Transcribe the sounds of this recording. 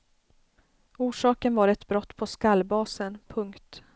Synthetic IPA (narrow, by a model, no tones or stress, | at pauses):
uːʂɑːkənvaɾɛt̪bɾɔt̪ːpʰɔskalbɑːsənpʰɵŋkt̪